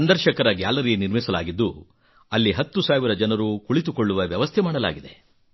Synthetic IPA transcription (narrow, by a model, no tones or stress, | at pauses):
sɐnd̪ɐɾʃɐkɐɾɐɡaːlɐɾiɡeniɾmisɐla̰ːɡid̪ːu | ɐlːiɦɐt̪ːusaːʋiɾɐd͡ʒɐnɐɾukuɭit̪̬ukoɭːuʋɐʋjɐʋɐst̪ʰɛmaːɽɐla̰ːɡid̪e